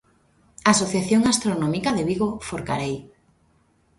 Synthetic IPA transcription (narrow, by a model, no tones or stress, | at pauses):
asoθjaθjoŋast̪ɾonomikaðeβiɣofoɾka̰ɾej